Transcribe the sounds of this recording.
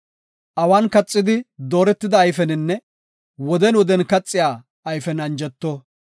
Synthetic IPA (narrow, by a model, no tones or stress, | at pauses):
ʔɐwankɐt͡sʼːɪd̪ɪd̪o̞ːɾɛt̪ːɪd̪ɐːjfɛnɪnːɛ | wɔd̪ɛnwɔd̪ɛnkɐt͡sʼːɪjaː | jfɛnɐnd͡ʒɛt̪ːo